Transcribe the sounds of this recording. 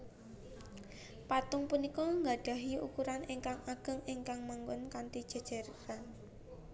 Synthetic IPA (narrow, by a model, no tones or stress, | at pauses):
pat̪ʊŋpunikɔŋɡaɖ̥a̤ɦiukuɾaneŋkaŋaɡ̥ə̤ŋeŋkaŋmaŋɡʊnkant̪id̥ʒ̥a̤d̥ʒ̥a̤ɾkan